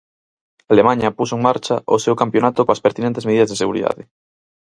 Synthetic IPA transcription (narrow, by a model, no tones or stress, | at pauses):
alemãɲapusoeŋmaɾt͡ʃaʔosewkampjonat̪okoaspeɾt̪inẽnt̪ezmeðiðɐazðeseɣuɾḭða̰ðe